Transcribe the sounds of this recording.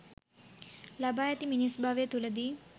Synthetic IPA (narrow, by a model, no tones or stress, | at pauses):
lɐbaːjɐt̪iminisbʱaʋet̪ulɐd̪i